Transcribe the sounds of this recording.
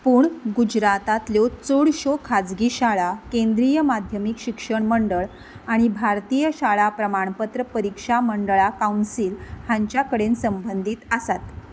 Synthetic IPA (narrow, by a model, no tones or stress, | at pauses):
puːɳɡud͡ʑɾat̪at̪ljot͡soɽɕokʰad͡zɡiːɕaɭakẽnd̪ɾijəmad̪ʱjəmikɕikʂəɳməɳɖəɭ | aɽ̃ibʱaɾt̪ijəɕaɭapɾəmaɳ̃pət̪ɾəpəɾikʂaməɳɖəɭakaunsiːlhãɲt͡ɕjakəɽensəmbənd̪ʱit̪əsat̪